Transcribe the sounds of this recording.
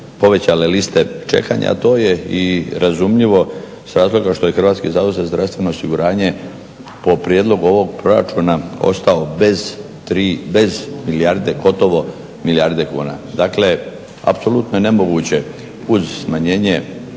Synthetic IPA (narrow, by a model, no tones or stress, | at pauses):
po̞ʋe̞t͡ɕalelist̪e̞t͡ʃe̞̰ka̰ɲa̰a̰t̪o̞ːjeiɾazumʎiʋo̞ | sɾaːzlˠo̞ɡaʃt̪o̞jexr̩ʋaːt̪skizaozezd̪ɾafst̪ʋe̞no̞osiɡuɾaːɲe̞ | po̞pɾijed̪lˠo̞ɡuo̞ʋo̞ɡpɾo̞ɾa̰t͡ʃunao̞̰st̪ao̞bez | t̪ɾiːbe̞zmiliaɾd̪eɡo̞t̪o̞ʋo̞ | milijaɾd̪e̞kṵːna̰d̪aːkle̞ | a̰pso̞lˠut̪nojene̞mo̞ɡut͡ɕe̞ | uzsmaɲeːɲe̞